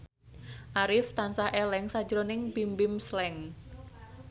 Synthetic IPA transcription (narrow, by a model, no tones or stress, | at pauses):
ʔaɾɪft̪ansahʔelɛŋsḁd͡ʒɾonɪŋbimbɪmslɛŋ